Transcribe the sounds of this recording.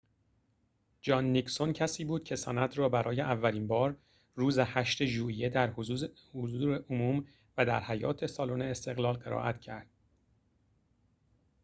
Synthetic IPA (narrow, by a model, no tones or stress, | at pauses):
d͡ʒɒːnːiksoncʰæsiːbuːd̪̥̚cʲʰe̞sænæd̪ɾɒːbæɾɒːjeʔævːæliːnbɒːɾ | ruːzehæʃt̪e̞ʒuːʔije̞d̪æɾhozuz | ozuːɾeʔomuːm | væd̪æ̰ɾhæjɒ̰ːt̪ʰesɒːloneest̪e̞ɣlɒːlɢe̞ɾɒ̰ːʔæt̪ʰcʰæɾd̪̥̚